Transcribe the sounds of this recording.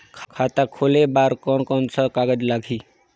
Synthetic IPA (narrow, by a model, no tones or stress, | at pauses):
kʰkʰat̪akʰolebaɾkɔnkɔnsʰəkaɡəd͡ʒlaɡʱi